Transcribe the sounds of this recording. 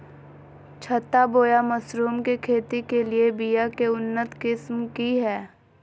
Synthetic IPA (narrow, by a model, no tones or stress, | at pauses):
t͡ʃʰɐt̪ːaboːjamɐsɾuːmkekʰeːt̪ikeliebijakeʊnːət̪kɪsmkiɦɛː